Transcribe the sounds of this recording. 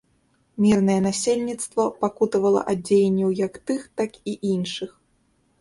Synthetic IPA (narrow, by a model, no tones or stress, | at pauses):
mʲirnɐjɛnasʲelʲnʲit̪st̪vɐpakut̪ɐvɐlˠɐ̰ʔad͡zʲejenʲːɐwjɐkt̪ɨxt̪akiʔinʂɨx